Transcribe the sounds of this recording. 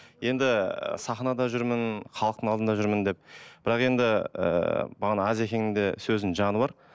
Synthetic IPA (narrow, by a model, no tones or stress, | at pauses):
je̞nd̪ɪə̰sɑχnɑd̪ɑʒʏɾmɪnχʰɑlˠəqt̪əɴɑlˠd̪ənd̪ɑʒʏɾmɪnd̪e̞p̚b̥ɪɾɑqe̞nd̪ɪə̰bɑʁɑnɑɑze̞kʲe̞ŋɪŋd̪e̞sɵzd̪ɪnʒɑnəbɑɾ